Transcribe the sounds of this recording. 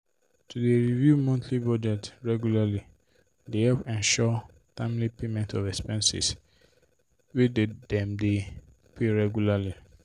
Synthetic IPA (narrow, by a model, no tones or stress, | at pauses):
tʰudeɹivjumɔ̃ntʰlibɔd͡ʒɛtɹɛɡjulali | dehɛlpɛ̃nʃɔ | tãɪ̃mlipemɛ̃ntɔvɛkspɛ̃nsḭs | wededɛ̃mde | pʰeɹɛɡjulali